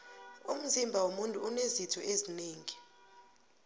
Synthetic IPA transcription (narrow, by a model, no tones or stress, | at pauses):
um̩zimbʱawomuntʼuːnezitʰɔʔezineːŋi